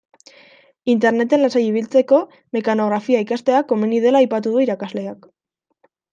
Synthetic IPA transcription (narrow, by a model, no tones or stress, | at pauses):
int̪e̞ɾne̞t̪e̞nlasajiβ̞ilt͡se̞ko̞ | me̞kano̞ɣɾafiaikast̪e̞akːo̞menið̞e̞laːjpat̪uðuiɾakazle̞ak